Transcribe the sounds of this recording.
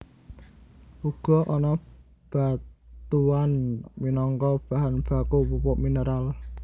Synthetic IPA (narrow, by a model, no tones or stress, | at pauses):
ʔuɡ̥ɔ̤ʔɔnɔ | b̥a̤t̪uanminɔŋkɔb̥a̤ɦanb̥a̤kupupɔʔminəɾal